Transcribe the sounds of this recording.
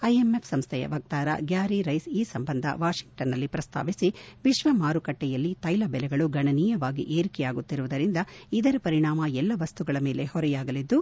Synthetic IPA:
ɐjemepsɐmst̪ʰɛjɐ̰ʋɐk̚t̪aːɾɐ̰ɡjaːɾiɾɐjsiːsɐmbɐnd̪ʱɐ̰ʋaːʃiŋk̚ʈɐnːɐlːipɾɐst̪ʰa̰ːʋisiʋiʃʋɐmaːɾukɐʈːɛjɐlːit̪ɐjlɐbɛlɛɡɐɭuɡɐɳɐniːjɐʋaːɡḭʔeːɾikɛjaːɡut̪ːiɾuʋud̪ɐɾind̪ɐid̪ɐɾɐpɐɾiɳaːmɐɛlːɐʋɐst̪uɡɐɭɐme̞ːle̞hɔɾɛjaːɡɐlid̪ːu

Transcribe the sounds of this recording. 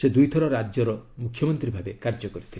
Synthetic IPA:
sed̪ujt̪ʰɔɾɔɾad͡ʒɔɾɔmukʰːjɔmɔnt̪ɾibʱabekaɾd͡ʒɔkɔɾit̪ʰi

